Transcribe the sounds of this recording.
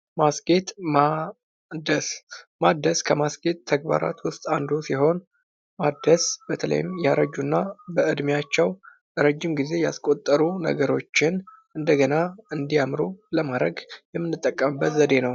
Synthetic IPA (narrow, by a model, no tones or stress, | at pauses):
masɡe̞t̪ma | d̪əsmad̪əskʰəmasɡe̞t̪ʰːəɡ̚ba̰ɾa̰t̪wʊst̪ʼand̪usiɦo̞n | mad̪əsb̥ət̪ʰələ̰jɪmjaɾəd͡ʒːunːabəɨd̪mjat͡ʃːɛw | ɾəd͡ʒːɪmɡize̞jaskʼo̞t̪ʼːəɾunə̰ɡəɾo̞t͡ʃːɪn | ɨnd̪əɡənaɨnd̪ijamɾuləmaɾəɡjɛmːɨnːɨt̪ʼːəkʼːəmɨbːət̪zəd̪e̞nəw